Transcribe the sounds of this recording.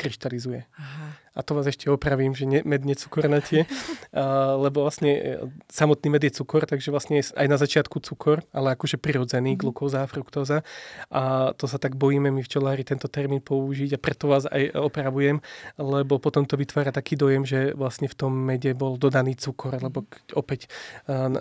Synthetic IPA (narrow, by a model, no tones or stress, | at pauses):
kɾiʃt̪alizujɛɦa | at̪ɔʋaːzɛʃcɛɔpɾaʋiːmʒɛɲɛmɛd̪ɲɛt͡su̥kɔɾnatɪɛ | lɛbɔʋlasɲɛsamɔt̪niːmɛd̪jɛt͡sukɔɾt̪aɡʒɛʋlasɲɛa̰jnazat͡ʃɪat̪kut͡sukʰɔɾalɛakɔʒɛpɾiɾɔd͡zɛniːɡlukɔːzafɾukt̪ɔːzaʔat̪ɔsat̪aɡ̚bɔjiːmɛmift͡ʃɛlaːɾit̪ɛnt̪ɔt̪ɛɾmiːnpɔuʒiɟapɾɛt̪ɔʋaːza̰jɔpɾaʋujɛmlɛbɔpɔt̪ɔmt̪ɔʋit̪ʋaːɾat̪akiːd̪ɔjɛmʒɛʋlasɲɛft̪ɔmːɛɟɛbɔld̪ɔd̪aniːt͡sukʰɔɾlɛbɔkɔpɛcː